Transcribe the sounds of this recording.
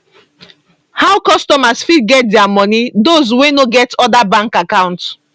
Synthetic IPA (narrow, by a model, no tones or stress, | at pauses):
haʊkɔstɔmasfid̚ɡɛt̚dɛamɔnidozwẽnoɡɛtɔdabãŋkakãʊ̃nt